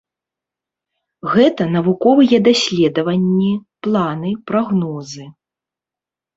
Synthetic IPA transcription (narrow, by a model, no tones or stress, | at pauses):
ɣɛt̪ɐnɐvukɔvɨjɛd̪asʲlʲɛd̪ɐvɐnʲːiplˠanɨpɾaɣnɔzɨ